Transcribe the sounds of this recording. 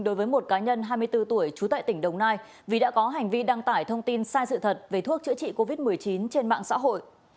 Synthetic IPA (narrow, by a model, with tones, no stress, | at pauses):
ɗo˨˦jvəː˨˦jmo˨˩t̚kaː˨˦ɲə˧nɦaː˧jmɨ˧əjt̪ɨ˧t̪u˧˩əjt͡ɕu˨˦t̪ə̰ː˧˨t̪ï˧˩ŋ̟ɗə˨˩wŋ͡mnaː˧j | vi˨˩ɗa̰ː˧˥kɔ˨˦ɦa˨˩jŋ̟vi˧ɗa˧ŋt̪aː˧˩jt̪ʰə˧wŋ͡mt̪i˧nsaː˧jsɨ̰˧˨t̪ʰə˨˩t̚ve˨˩t̪ʰu˦˥ək̚t͡ɕɨ̰˧˥ət͡ɕḭ˧˨ko˧vi˦˥t̚mɨ˨˩əjt͡ɕi˨˦nt͡ɕe˧nma̰ː˧˨ŋsa̰ː˧˥ɦo̰˧˨jʔ